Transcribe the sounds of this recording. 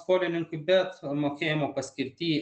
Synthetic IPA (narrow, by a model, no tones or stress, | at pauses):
koːlʲɪnʲɪŋkʊbʲɛt̪moːkʲeːjɪmoːpɐsʲkʲɪɾʲt̪ʲiː